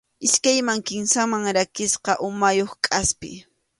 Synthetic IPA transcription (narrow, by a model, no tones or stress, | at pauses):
ɪskajmaŋkɪmsamaŋɾakɪsqɑʔʊmajoχkʼaspɪ̰